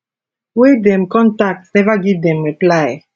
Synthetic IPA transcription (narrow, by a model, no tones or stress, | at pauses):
wed̪ɛ̃mkɔ̃ntak̚tsɛvaɡid̪ɛ̃mɹiplaj